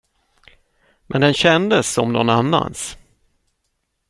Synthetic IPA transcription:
mʔɛnd̪ɛnɕɛnd̪əsɔmnɔnanːa̰ns

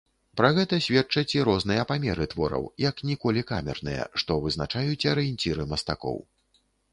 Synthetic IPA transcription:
pɾɐɣɛt̪ɐsʲvʲɛt͡ʂɐt͡sʲiɾɔznɨjɐpamʲɛɾɨt̪vɔɾɐ̰wjɐknʲikɔlʲika̰mʲɛ̰rnɨjɐ̰ʂt̪ɔvɨznat͡ʂajut͡sʲɐɾɨjɛnʲt͡sʲiɾɨmɐst̪akɔ̰w

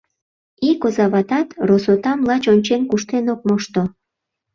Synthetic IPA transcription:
ikozɑβɑt̪ɑt̪rosot̪ɑmlɑt͡ɕonʲt͡ɕenkuʃt̪enok̚moʃt̪o

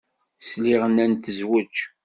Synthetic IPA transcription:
sliʁənænt̪əzwæt͡ʃː

